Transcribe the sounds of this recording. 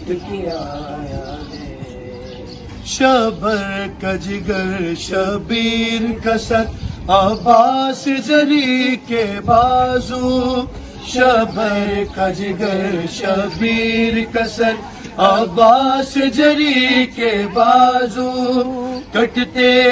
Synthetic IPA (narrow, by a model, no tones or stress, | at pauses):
kː | ja | ʃɐbʱɐɾkɐd͡ʒɪɡɐɾʃɐbiːɾkɐsɐɾɐbaːsd͡ʒɐɾikebaːzu | ʃɐbʱɐɾkɐd͡ʒiɡɐɾʃɐbiːɾkɐsɐɾ | ɐbaːsd͡ʒɐɾikebaːzuː | kɐʈt̪e